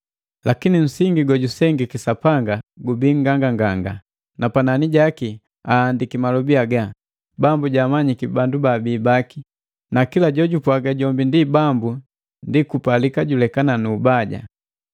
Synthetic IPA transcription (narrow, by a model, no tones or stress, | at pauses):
lakinim̩siŋɡiɡɔɟusɛŋɡikisapaŋɡaɡubiŋɡaŋɡaŋɡaŋɡa | napananiɟaki | aːndikimalɔbiaɡa | bambuɟamaɲikibandubabiːbaki | nakilaɟɔɟupwaɡaɟɔmbindibambu | ndikupalikaɟulɛkananuːbaɟa̰